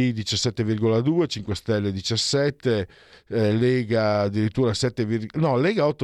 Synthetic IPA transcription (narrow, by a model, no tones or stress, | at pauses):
id̪it͡ʃasːɛt̪ːevirɡolad̪uːet͡ʃiŋkwest̪ɛlːed̪it͡ʃasːɛt̪ːe | leːɡaːd̪ːiɾit̪ːuːɾasɛt̪ːevirɡnɔleːɡaɔt̪ːo